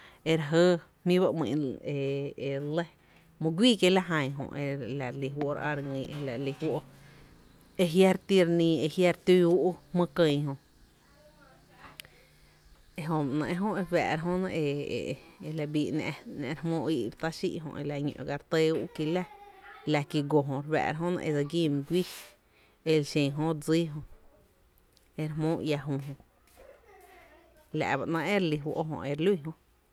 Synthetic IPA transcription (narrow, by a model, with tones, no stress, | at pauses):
e˧ɾa˧ɦə˦ | hmĩ˦ba˦ʔmḭ̃˧˨ʔe˧e˨le˦ | mõ˧ɡʷiː˦ke˧la˦ɦã˧j̃ɦõ̰˧˨ʔe˧la˨ɾli˧ɦwo˧˦ɾa̰˧ɾŋĩ˧˨e˧la˨li˧hwo˦ʔo˧ | e˧ɦja˦ɾt̪i˦ɾnĩ˧e˧hja˦ɾt̪uː˦˧u˦ʔu˦hmə̃˦kə̃˧jɦõ˧ | e˧ɦõ˧ʔnã̰˧ʔe˧ɦõ˦e˧ba̰ː˨ɾa˧ɦõ˦nã˧ʔḛ˧ | e˧la˧biː˧ʔnã˧nã˧ɾmõː˦˧i˧ʔɾt̪a˦ʃḭ˦ʔɦõ̰˧ʔḛ˧la˧ɲõ̰˧ʔɡa˧ɾt̪e˦u˦ki˧la˦la˧ki˧ɡo˧˨ɦõ˨ɾwæ̰˧˨ɾa˧ɦõ˦nã̰˧ʔe˧d͡za˧ɡi˦˧m̃˧ɡʷi˦ | e˧lʃẽ˨ɦõ˦ɾd͡ziː˦ɦõ˧ | e˧ɾɦmõː˦ʔja˧ɦõ˧ɦõ˧˨ | la̰˨ʔba˨ʔnã˧ʔe˦ɾli˧wo̰˧ʔo˦ɦõ̰˧ʔe˧ɾlu˦i˦˧ɦõ˧ʔ